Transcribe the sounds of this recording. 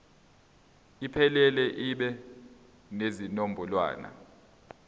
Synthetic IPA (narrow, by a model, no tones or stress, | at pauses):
ipʰɛlɛlɛʔiɓɛ | nezinombʱulwa̰ːna̰